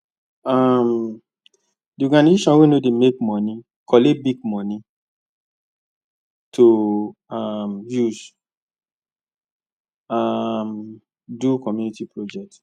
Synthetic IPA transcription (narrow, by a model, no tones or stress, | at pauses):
am | diɔɡaniziʃɔ̃nwenodemekmɔ̃nĩ | kʰɔlebiɡ̚mɔ̃ni | tʰoamjuz | am | dukɔmjunitipɹod͡ʒɛk̚t